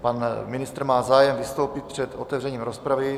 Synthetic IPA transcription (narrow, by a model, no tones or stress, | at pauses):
panmɪnɪst̪ɾmaːzaːjɛmvɪst̪o̞wpɪt̪̚pr̝̥ɛt̪ot̪ɛvrɛɲiːmɾospɾavɪ